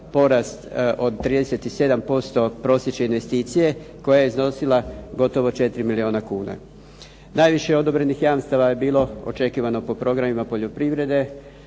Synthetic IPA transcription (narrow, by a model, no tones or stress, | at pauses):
po̞ɾast̪o̞d̪t̪ːɾiːd̪e̞se̞t̪ise̞d̪ampo̞st̪o̞pɾo̞sje̞t͡ʃeinʋe̞st̪iːt̪sije̞ko̞jajeizno̞silˠaɡo̞t̪o̞ʋo̞t͡ʃe̞t̪ɾimilio̞ːnakuːna̰ | naːjʋiʃe̞o̞d̪o̞bɾe̞nixjamst̪aʋaje̞biːlˠo̞o̰t͡ʃe̞kiːʋano̞po̞pɾo̞ɡɾamimapo̞ʎo̞pɾiʋɾe̞d̪e̞